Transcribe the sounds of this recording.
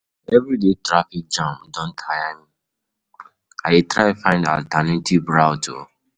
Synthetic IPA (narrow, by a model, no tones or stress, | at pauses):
ɛvɾidetɹafik̚d͡ʒɔ̃ndɔ̃ntʰajamĩ | awitɹaɪfãɪ̃nda̰ltanetʰivbɹaʊtʰo̰